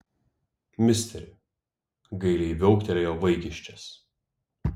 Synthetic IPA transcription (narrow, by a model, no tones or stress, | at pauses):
mʲɪsʲt̪ʲɛɾʲɪ̰ | ɡɐɪlʲɛɪʋʲɛʊkʲt̪ʲɛlʲejoːʋɐɪkʲɪʃʲt͡ʃʲɛs